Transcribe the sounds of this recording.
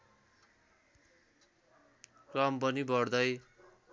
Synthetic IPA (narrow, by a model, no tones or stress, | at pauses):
krʌmpʌnibʌrd̪ʌj